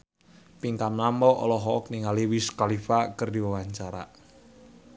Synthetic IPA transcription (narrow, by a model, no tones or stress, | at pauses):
piŋkamnamɔʔɔ̰lɔɦɔʔɔk̚niŋaliwiskalifakərdiwawaɲt͡ʃaɾa̰